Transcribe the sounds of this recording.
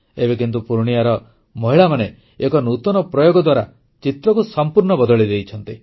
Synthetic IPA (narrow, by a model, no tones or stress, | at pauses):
ebek̬int̪̬upuɾɽ̃iaɾɔ | mɔɦiɭamane | ekɔnut̪ɔnɔpɾɔjoɡɔd̪waɾa | t͡ʃit̪ɾɔkusɔmpuɾɳɔbɔd̪ɔɭid̪ejt͡ʃʰɔnt̪i